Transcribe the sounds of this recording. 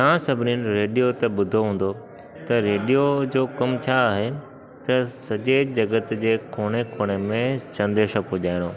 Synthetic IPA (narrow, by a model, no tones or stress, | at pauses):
t̪ɐãsɐbʱɪninɪ̆ɾeːɖijot̪ɐɓʊd̪ʱoɦũːn̆d̪o | t̪ɐɾeːɖijod͡ʑoːkɐmt͡ɕʰaːɦe | t̪ɐsɐd͡ʑed͡ʑɐɡət̪d͡ʑeːkʰoːɽ̃ekʰoːɽ̃emẽsɐ̃nd̪eːʃɐpʊʄaːɪɽ̃oː